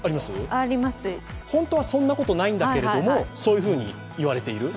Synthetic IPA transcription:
aɾʲimasɨaɾʲimasɨhõ̞nt̪o̞βasõ̞nːako̞t̪o̞naĩnd̪ake̞ɾeo̞mo̞so̞ːjɯ̟ɸɯ̟ːɲ̟ḭ | iβaɾe̞t̪e̞iɾɯ̟

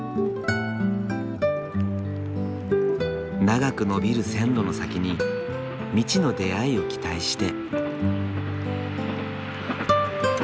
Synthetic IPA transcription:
naɡakɯ̟nobʲiɾɯ̟sẽ̞nɾo̞no̞sakʲiɲ̟i | mʲit͡ɕino̞d̪e̞aio̞kʲi̥t̪aiɕi̥t̪e̞

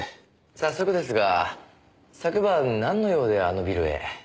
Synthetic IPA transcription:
sasːo̞kɯ̟d̪e̞sɨɡa | sakɯ̟banãnːo̞jo̞ːd̪e̞ano̞bʲiɾɯ̟ḛ

